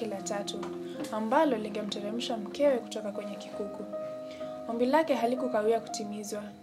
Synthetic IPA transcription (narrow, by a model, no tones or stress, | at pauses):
ilatatu | ambalɔliŋɡɛm̩tɛɾɛm̩ʃam̩kɛwɛku̥tɔkakwɛɲɛkikuku | ɔmbilakɛɦalikukawiaku̥timizwa